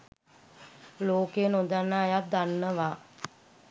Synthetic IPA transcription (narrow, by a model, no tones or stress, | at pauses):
loːkejənond̪anːaːjat̪̚d̪anːəʋa